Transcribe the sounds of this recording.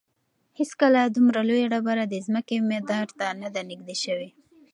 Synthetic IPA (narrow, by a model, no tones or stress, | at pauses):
heskalad̪umɾalojaɽabaɾad̪əzməkemed̪ɑɾt̪anad̪anɪɡd̪eʃəwe